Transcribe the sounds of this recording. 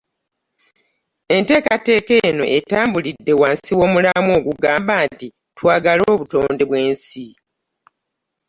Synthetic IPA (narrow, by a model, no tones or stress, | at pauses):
e̞nte̞ːkate̞ːke̞ːno̞ʔe̞taːmbulidːe̞waːnsiwo̞ːmulamo̞ːɡuɡaːmbaːnti | twaːɡalo̞ːβuto̞ːnde̞βwe̞ːnsi